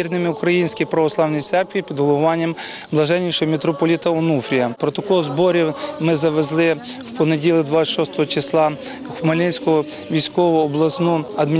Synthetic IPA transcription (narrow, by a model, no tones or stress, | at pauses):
irnɪmɪukɾɐjinʲsʲkʲijpɾɐʋɔslˠɑwnijt̪sɛrkʋʲipʲid̪ɦɔlˠʊʊʋɑnʲːɐmblˠɐʒɛnʲːiʃɔɦɔmʲet̪ɾɔpɔlʲit̪ɐɔnufɾʲijɐpɾɔt̪ɐkɔɦɔzbɔɾʲimɪzɐʋezlˠɪ | wpɔnedʲilˠɪd̪ʋɑt̪sʲɐ̥ʃɔst̪ɔɦɔt͡ʃɪslˠɑ | xʊmɐlʲɪnʲsʲkɔɦɔ | ʋʲijsʲkɔʋɔːblˠɐsnuɐd̪mʲi